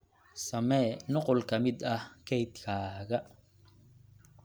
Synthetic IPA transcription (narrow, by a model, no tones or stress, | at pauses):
sɐmɛnɔqɔlkʰɐmɪd̪ɐhkʰɛjd̪kʰaːɣɐ